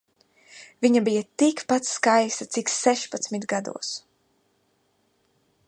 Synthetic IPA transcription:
viɲabijat̪ikpat̪skajst̪at̪sikssɛʃpat̪smit̪ɡad̪ṵɔs

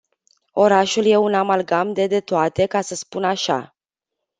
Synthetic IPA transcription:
o̞ɾaʃulje̞unamalɡamd̪e̞d̪e̞t̪oat̪e̞kasəspunaʃa̰

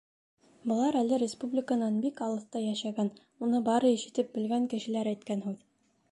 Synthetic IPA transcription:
bɤ̆lˠɑɾælɘɾʲɪspublʲɪkənɑnbikɑlˠɤ̆θt̪ɑjæʃæɡæn | unɤbɑɾɤiʃɘ̆t̪ɘp̚bɘ̆lɡæŋkɘ̆ʃɘ̆læɾæjt̪̚kænɦʉð

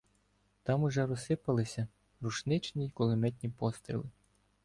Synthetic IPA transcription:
t̪ɑmuʒɛɾɔsɪpɐlˠɪsʲɐ | ruʃnɪt͡ʃnʲikɔlˠɔmɛt̪̬ʲnʲipɔst̪ɾʲḭlˠɪ

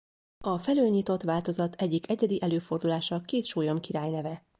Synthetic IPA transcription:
ɒfɛløːlɲit̪o̞t̪ʋaːlt̪o̞zɒt̪ʰɛɟːikɛɟɛd̪iʔɛløːfo̞rd̪ulaːʃɒkeːt̪ʃoːjo̞mkiɾaːjnɛvɛ

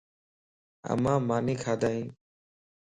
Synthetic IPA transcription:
ə̰mãːmaːnĩːkʰaːd̪aːĩː

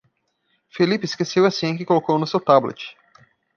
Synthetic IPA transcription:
felipɪskesewɐsĩkɪkolokownʊsewt̪ablḛt͡ʃɪ̥

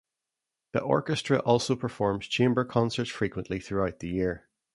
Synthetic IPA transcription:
ðḭʔɔ̰ɹkəstɹ̥əʔɔlˠsopʰə˞fɔɹmz̥t͡ʃʰẽmbə˞kʰɔ̃nsə˞tfɹikwə̃nʔlˠiθɹuaʊʔ̪̚ðəjiɹ

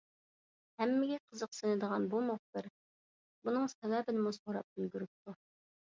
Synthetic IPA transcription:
hɛmːɪɡʲɛqʰəzəq̚senɪd̪əʁɑnbumoχ̚b̪əɾ | bunɨŋsɛwæːbɪnɪmusoɾɑ̰p̚bylɡʲyɾyp̚t̪ʰu

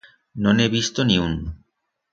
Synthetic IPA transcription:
nonebist̪oniun

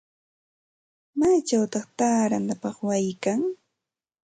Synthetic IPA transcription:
maːt͡ʃawt̪ɑχt̪aːɾant̪apɑχwajkaŋ

